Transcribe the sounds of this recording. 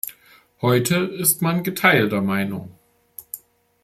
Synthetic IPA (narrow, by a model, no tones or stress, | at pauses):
hɔʏtʰəɪstmanɡətʰaɪltɐmaɪnʊ̰ŋ